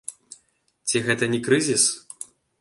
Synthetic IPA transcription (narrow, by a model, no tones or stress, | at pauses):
t͡sʲiɣɛt̪ɐnʲɛkɾɨzʲis